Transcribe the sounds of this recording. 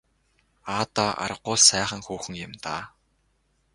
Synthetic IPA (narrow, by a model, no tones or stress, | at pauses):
aːt̪aʔa̰ɾə̆qːʊːsæːχə̆ŋxuːxɘ̆ŋjɪ̆mt̪aː